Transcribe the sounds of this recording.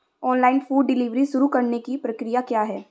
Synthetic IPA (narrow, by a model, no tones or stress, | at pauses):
ɔːnlaːɪnfuːɖːɪliːʋɾiʃʊɾukɐɾnekipɾɐkɾijakjaːɦɛː